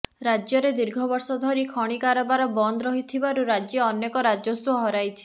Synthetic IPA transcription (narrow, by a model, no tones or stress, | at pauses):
ɾad͡ʒjɔɾed̪iɾɡʱɔbɔɾsɔd̪ʱɔɾikʰɔɽ̃ikaɾɔbaɾɔbɔnd̪ɾɔɦit̪ʰibaɾuɾad͡ʒjɔɔnːekɔɾad͡ʒɔsuɔɦɔɾajt͡ʃʰi̥